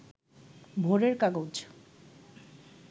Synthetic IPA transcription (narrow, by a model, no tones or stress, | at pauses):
bʱoɾeɾkaɡowd͡ʑ